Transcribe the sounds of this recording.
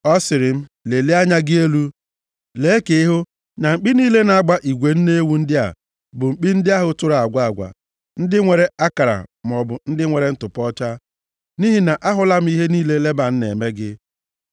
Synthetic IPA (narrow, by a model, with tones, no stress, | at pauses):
ɔ˦sɪ˨ɾɪ˨m̩˦le˨le˦a˦ɲa˦ɡɪ˦e˦lu˦ | le˨˦e˦ke˦i˦ɦʊ˦ | na˨ŋ͡m̩˨k͡pi˦niː˦le˦na˨a˦ɡ͡ba˦ʔi˨ɡʷe˨n̩˦ne˦wu˦n̩˦dɪ˦a̰˨ | bʊ˨ŋ͡m̩˨k͡pi˦n̩˦dɪ˦a˦ɦʊ˨tʊ˦ɾa˨a˨ɡʷa˦a˨ɡʷa̰˨ | n̩˦dɪ˦ŋʷe˨ɾe˨a˦ka˨ɾa̰˨m˨ɔ˨bʊ˨n̩˦dɪ˦ŋʷe˨ɾe˦n̩˦tʊ˨pɔ˦t͡ʃa˦ | ni˦ɦi˨na˨ʔa˦ɦʊ˨la˦m̩˦i˦ɦe˦niː˦le˦le˦ba˨n̩˦nḛ˨me˦ɡɪ˦